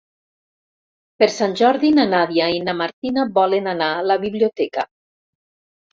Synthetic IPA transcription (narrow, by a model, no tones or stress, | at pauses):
peɾsanʲʒɔɾðinanaðjainamaɾt̪inabɔlenanalaβiβliot̪ɛka